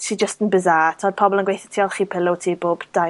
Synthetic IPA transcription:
ʃʰid͡ʒəstənbəzatʰɔd̥̚pʰɔbɔlˠənɡwejθɛ̥tʰiːɔlˠχiːpʰɪlˠʊwtʰiːboːb̥d̥a

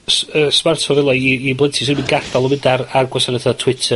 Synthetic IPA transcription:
səsmartʰɔvɛlˠaiːbləntʰi̥sidbinɡaθalˠɔmɪdararɡwasanəθatʰw̥ɪtʰə

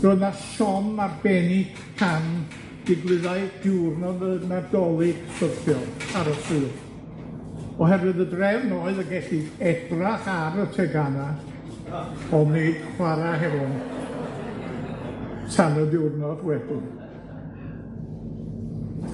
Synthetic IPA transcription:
rʊnaʃɔmarbɛnɪɡ̥ | pʰan | d̥ɪɡlˠɨðaɨd̥ɪwrnɔðənadɔlˠɪɡ̥sərθʰjɔlˠaɾətʰɨːð | ɔɦɛɾwɨðədrɛvnoːɨðəɡɛɬɪɛbraχaɾətʰɛɡana | ɔned̥χwaɾaɦɛvɔn | sʰanədɪwrnɔdwɛbʊn

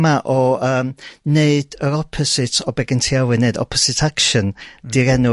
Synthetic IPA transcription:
maʔɔəːmneɨd̥əɾɔpʰɔsɪtʰɔbɛɡɪntʰiawɨneɨdɔ̰pʰɔsɪtʰakʃənd̥iɾɛnʊ

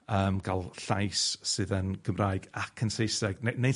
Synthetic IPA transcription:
əːmɡ̥alˠɬajsːɨðənɡ̥əmraːɨɡakʰənsejsɛɡ̥nenej

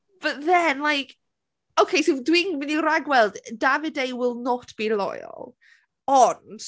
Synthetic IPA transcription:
b̥ətðɛnlajkʰ | owkʰejsɪdwinmɪniɾaɡwɛlˠddavɪdejwɪlˠnɔtʰb̥iːlɔ̰jɔ̰lˠ | ɔnd̥

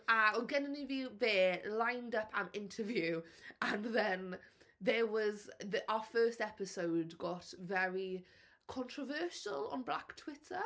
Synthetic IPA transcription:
əɪɡɛnə̃nɪvjuːðɛːlãɪ̃ndəpʰə̃nɪ̃ntʰəvjʉːə̃nðə̃nðəwɒzðʔaʊəfɜːˑstɛpɪsoʊdɡɔtvɛɹi | kʰɔ̃ntʰɹ̥əvɜˑʃəlˠə̰̃nblaktʰw̥ɪtʰə

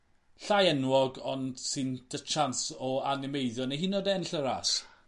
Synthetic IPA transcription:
ɬajɛnwɔɡɔnd̥sɨnd̥ət͡ʃʰansɔanɪmejðjɔneɦinodɛənɬəɾa̰s

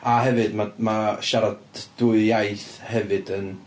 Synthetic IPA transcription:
aɦɛvɨdmamaʃaɾadd̥ʊɨjajθhɛvɨdən

